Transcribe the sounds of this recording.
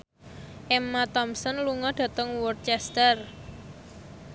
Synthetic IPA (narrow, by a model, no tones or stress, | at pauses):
ʔɛmːat̪ɔmsɔnluŋɔɖ̥ä̤t̪əŋwɔrt͡ʃɛst̪ər